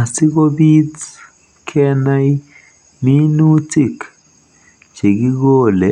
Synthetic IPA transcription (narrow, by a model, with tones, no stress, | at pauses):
t͡si˦ɡo˦bi˦t͡s | kʰe˦na˦j | mi˦nu˦t͡si˦˨k | t͡ʃe˨ɡi˦ɡo˦˨le˨